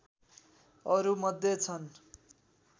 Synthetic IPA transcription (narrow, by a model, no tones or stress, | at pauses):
ʌɾumʌd̪ʱjet͡sʰʌn